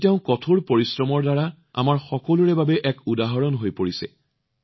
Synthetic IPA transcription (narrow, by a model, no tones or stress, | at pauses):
tɛʊ̃kɔtʰuɹpoɹisɹɔmɔɹdaɹa | a̰maɹxɔkɔluɹɛbabɛʔɛkudaɦɔɹɔnɦojpoɹisɛ̰